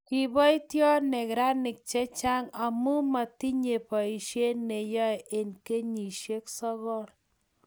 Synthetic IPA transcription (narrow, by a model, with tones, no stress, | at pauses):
kɪ˨bɔ˦i˦tjɔ˦nɛ˨kɾa˦nɪ˨k̚t͡ʃɛ˦t͡ʃa˦ŋa˨mu˦ma˨ti˦ɲe˨pɔ˨i˨ʃe˦ne˨jɔ˦ɛ˨ʔe˨nke˦ɲi˨ʃe˦ksɔ˦ɣɔ˦ɾ